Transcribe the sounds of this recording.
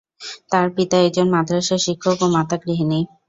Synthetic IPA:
t̪aɾpit̪aek̚d͡ʑonmad̪ʱɾaʃeʃikʰːokomat̪aɡɾiɦenej

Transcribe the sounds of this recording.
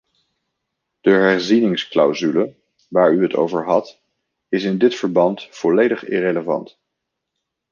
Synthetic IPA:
d̥əɦɛɹzinɪŋsklawzylə | ʋaːɹyɦəto̰wvəɹɦɑt | ɪsɪndɪtfəɹbɑntfɔlejdəχɪ̰reləvɑ̰nt

